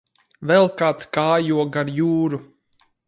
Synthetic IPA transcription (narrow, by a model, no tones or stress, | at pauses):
vɛlˠkaːt̪skaːjuɔɡaɾjuːɾu